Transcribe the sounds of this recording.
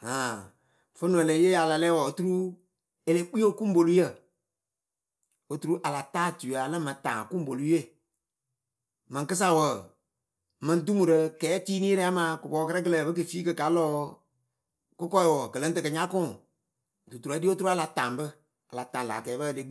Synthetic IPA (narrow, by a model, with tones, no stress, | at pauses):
a˨ | fə˦nu˨lə˨˦je˦ja˨la˨lɛ˦wɔ˨o˨tu˦ɾu˦ | e˨le˦k͡pi˦o˦˨ku˦m˦bo˨lu˦jə˦˨ | o˨tu˨ɾu˦ʔa˨la˨taː˦tu˨a˨lə˦mə˨tã̰ː˨ŋ˨ku˦m˦bo˨lu˦je˦˨ | mə̃˨ŋkɨ˦s̬a˦˨wə˨ | mə˧n˦du˦mu˨ɾə˧kɛː˨˦tiː˦niː˦ɾɛ˦a˦mã˨˦kʊ˨bɔː˨˦kə˦ɾə˦k̬ə˦lə˨bə˦k̬ɨ˨fiː˦kɨ˧ka˨˦lɔː˦ | kʊ˦kɔ˦i˨wɔ˨kə˨lə˦n˦tɨ˨kɨ˨ɲa˦kʊ̃˦˨ | tu˨tu˨ɾɔ˨˦di˦o˦tu˦ɾu˦a˦la˨taː˨mbə˦ | a˨la˨tã˨n˨la̰˨kɛː˨˦bə˦˨de˦ɡ͡b